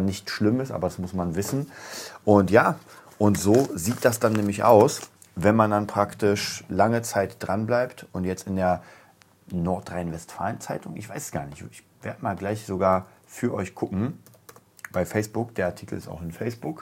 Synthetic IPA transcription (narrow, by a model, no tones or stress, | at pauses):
nɪçtʃlɪmɪsʔa̰ːbɐdasmʊsmanvɪsn̩ʔʊntjaː | ʔʊntz̥oːziːt̚d̥asd̥anːɛːmlɪçʔa̰ʊs | vɛnmandanpʁ̥aktɪʃlaŋət͡saɪtd̥ʁanblaɪptʊntjɛt͡stɪndeːɐ | nɔɐtʁaɪnvɛstfa̰ːlənt͡saɪtʊŋʔɪ̰çv̥aɪsɛ̥sɡ̥a̰ːɐnɪçtɪç | v̥eːɐdəmaːlɡlaɪçz̥oɡaːɐfyːɐʔɔʏçɡ̥ʰʊkŋ̩ | b̥aɪfɛɪsb̥ʊkd̥eːɐʔaɐtʰiːkl̩ɪsta̰ʊxɪnfɛɪsb̥ʊk